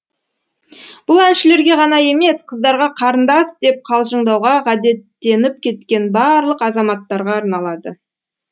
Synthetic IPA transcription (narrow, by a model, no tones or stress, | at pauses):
b̥ʊlˠænʃɪle̞ɾɡʲe̞ʁɑnɑje̞me̞sqʰəzd̪ɑɾʁɑqʰɑɾənd̪ɑsd̪e̞p̚qʰɑlˠʒəɴd̪ɑwʁɑʁɑd̪e̞t̪ːe̞nɪp̚kʲʰe̞t̪kʲe̞nbɑɾlˠəqɑzɑmɑt̪ːɑɾʁɑːɾnɑlˠɑd̪ə